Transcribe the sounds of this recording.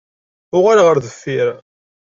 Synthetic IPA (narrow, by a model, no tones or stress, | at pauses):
ʊʁaɾʁəɾðəfːiɾ